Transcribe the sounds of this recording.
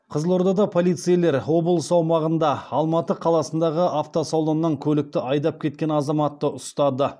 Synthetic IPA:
qʰəzəlˠo̞ɾd̪ɑd̪ɑpʰo̞lˠijt̪sɨjle̞ɾo̞bəlˠsɑwmɑʁənd̪ɑɑlˠmɑt̪əqʰɑlˠɑsənd̪ɑʁəʔaft̪osowlˠonːəŋkʲʰɵlɪk̚t̪ɪʔɑjd̪ɑp̚kʲʰe̞t̪̚kʲe̞nɑzɑmɑt̪ːəʔʊst̪ɑd̪ə

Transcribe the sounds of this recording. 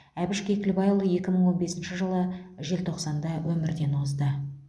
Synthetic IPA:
æbɪʃkʲekʰʲɪlbɑjlˠəje̞kʲɪməɴwo̞nbe̞sɪnʃɪʒəlˠəʒe̞lt̪ʰo̞qsɑnd̪ɑwʔɵmɪɾd̪e̞nozd̪ə

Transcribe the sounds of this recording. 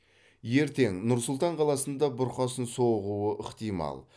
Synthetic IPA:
je̞ɾt̪e̞ŋnʊɾsʊlˠt̪ɑɴqʰɑlˠɑsənd̪ɑbʊɾqɑsənsoʁuəʔɪqt̪ijmɑ̰lˠ

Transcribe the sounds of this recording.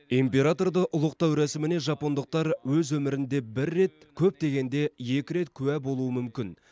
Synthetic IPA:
impʲe̞ɾat̪o̞rd̪əʔʊlˠəq̚t̪ɑwɾæsɪmɪne̞ʒɑpo̞nd̪əq̚t̪ɑɾwɵzwɵmɪɾɪnd̪e̞bɪɾːe̞t̪̚ | kʲʰɵp̚t̪e̞ɡʲe̞nd̪e̞je̞kʲɪɾe̞t̪kʲʰʉwæbo̞lˠuəmʏmkʲɪn

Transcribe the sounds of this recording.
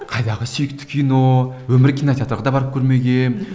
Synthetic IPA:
qʰɑjd̪ɑʁəsijɪk̚ʲt̪ʰɪ̥kʲʰijnowɵmɪɾkʲʰinɑt̪ɑt̪əɾʁɑd̪ɑbɑɾəp̚kʲʰɵɾme̞ɡʲen

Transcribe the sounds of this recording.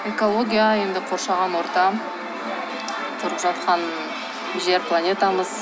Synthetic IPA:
e̞ko̞lˠo̞ɡʲijaje̞nd̪ɪqʰo̞ɾʃɑʁɑnwo̞ɾt̪ɑ | t̪ʰʊɾəqʒɑt̪̚qʰɑn | ʒeɾplˠanʲe̞t̪ɑməz̥

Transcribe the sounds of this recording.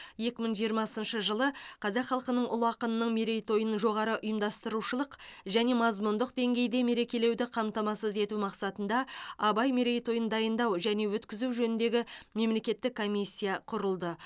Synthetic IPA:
je̞kʲɪməɴʒijəɾmɑsənʃəʒəlˠəqʰɑzɑqχɑlˠqənəɴʔʊ̰lˠɑqənənəɴme̞ɾe̞jt̪o̞jənʒo̞ʁɑɾəʔʊjəmd̪ɑst̪əɾuʃəlˠəqʒæne̞mɑzmʊnd̪əq̚d̪e̞ŋɡʲe̞jd̪e̞me̞ɾe̞kʲe̞le̞wd̪ɪqʰɑmt̪ɑmɑsəze̞t̪umɑqsɑt̪ənd̪ɑɑbɑjme̞ɾe̞jt̪o̞jənd̪ɑjənd̪ɑwʒæne̞wɵt̪kʲɪzuwʒɵnɪnd̪e̞ɡʲɪme̞mle̞kʲe̞t̪ːɪkʰːo̞mʲisʲːijɑqʰʊɾəlˠd̪ə

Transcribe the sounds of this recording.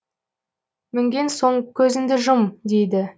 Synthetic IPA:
mɪŋɡʲe̞nso̞ɴkʲʰɵzɪnd̪ɪʒʊmd̪e̞jd̪ɪ

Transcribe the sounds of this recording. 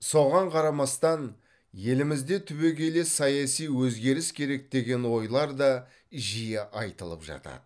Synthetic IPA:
so̞ʁɑɴqʰɑɾɑmɑst̪ɑn | je̞lɪmɪzd̪e̞t̪ʰʏβe̞kʲe̞le̞sɑjɑsijwɵzɡʲe̞ɾɪskʲʰe̞ɾe̞k̚d̪e̞ɡʲe̞nwo̞jlˠɑɾd̪ɑ | ʒijeʔɑjt̪əlˠə̰pʒɑ̰t̪ɑ̰d̪ə

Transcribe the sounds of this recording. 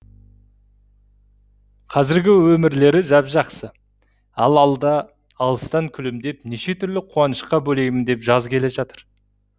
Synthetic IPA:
qʰɑzɪɾɡʲɪwɵmɪɾle̞ɾɪʒɑpʒɑqsə | ɑ̰lˠɑlˠd̪ɑː | lˠəst̪ɑŋkʲʰʏlɪmd̪e̞pneʃe̞t̪ʰʏɾlɪqʰuɑnəʃqɑbɵle̞ɡʲɪmɪnd̪e̞pʒɑzkʲʰe̞leʒɑt̪əɾ

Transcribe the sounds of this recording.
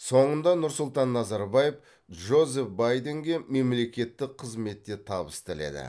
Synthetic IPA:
so̞ɴənd̪ɑnʊɾsʊlˠt̪ɑnːɑzɑɾbɑjef | ʒo̞ze̞fbajd̪e̞ŋɡʲe̞me̞mle̞kʲe̞t̪ːɪqʰəzme̞t̪ːe̞t̪ʰɑbəst̪ɪle̞̰d̪ɪ̰

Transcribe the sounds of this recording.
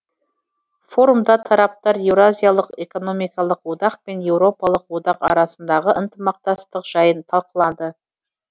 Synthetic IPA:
fo̞ɾumd̪ɑt̪ʰɑɾɑp̚t̪ɑɾjewɾoazʲijalˠəqe̞ko̞no̞mijkɑlˠəqwod̪ɑq̚pe̞nje̞wɾo̞pɑlˠəqwo̞d̪ɑqɑ̰ɾɑsənd̪ɑʁəʔənt̪əmɑq̚t̪ɑst̪əqʒ̥ɑjənt̪ʰɑlˠqəlˠɑd̪ə

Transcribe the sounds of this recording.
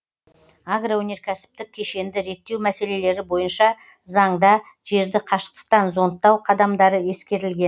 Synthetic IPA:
aɡrowɵne̞ɾkʲʰæsɪ̥p̚t̪ɪk̚ʲʰe̞ʃe̞nd̪ɪɾe̞t̪ːe̞wmæse̞le̞le̞ɾɪbo̞jənʃɑ | zɑɴd̪ɑ | ʒe̞ɾd̪ɪqʰɑʃə̥q̚t̪ə̥qt̪ɑnzo̞nt̪ːɑwqʰɑd̪ɑmd̪ɑɾəje̞skʲe̞ɾɪlɡʲe̞n

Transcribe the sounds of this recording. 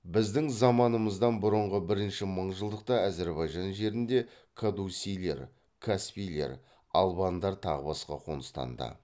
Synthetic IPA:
bɪzd̪ɪŋzɑmɑnəməzd̪ɑnbʊɾəɴʁəbɪɾɪnʃɪməɴʒəlˠd̪əq̚t̪ɑæze̞ɾbɑjʒɑnʒe̞ɾɪnd̪e̞ | kʰad̪usʲijle̞̰ɾ | kʰaspijle̞̰ɾ | ɑlˠbɑnd̪ɑɾt̪ʰɑʁəbɑsqɑ̰qʰo̞̰nəst̪ɑ̰nd̪ə̰

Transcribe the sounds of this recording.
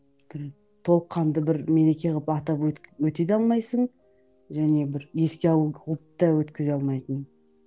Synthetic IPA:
b̥ɪɾ | t̪ʰo̞lˠəqʰːɑnd̪əbɪɾme̞ɾe̞kʲe̞ʁpɑt̪ɑpwwɵt̪ed̪ɑlˠmɑjsəɴ | ʒæne̞bɪɾje̞skʲeɑlˠulˠəpt̪ːɑwɵt̪kʲɪzeɑlˠmɑjt̪ən

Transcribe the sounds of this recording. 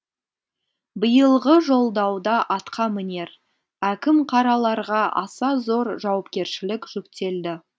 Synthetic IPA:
bəjəlˠʁəʒo̞lˠd̪ɑwd̪ɑʔɑt̪qʰɑmɪne̞ɾ | ækʲɪmqʰɑɾɑlˠɑɾʁɑʔɑ̰sɑzo̞ɾʒɑwɑpkʲe̞ɾʃɪlɪkʒ̥ʏkt̪e̞ld̪ɪ

